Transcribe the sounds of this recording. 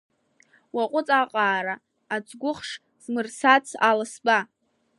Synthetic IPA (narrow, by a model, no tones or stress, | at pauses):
waqʷʼʊt͡sʼaqʼaːɾaː | t͡sʰʼɡʷʊχʂ | z̥mɨrsat͡sʰalɨsba